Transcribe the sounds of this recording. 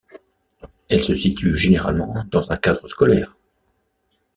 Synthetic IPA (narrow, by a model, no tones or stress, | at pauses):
ɛlsəsit̪yʒeneʁa̰lmɑ̃d̪ɑ̃zɛ̃kad̪ʁəskɔlɛːʁ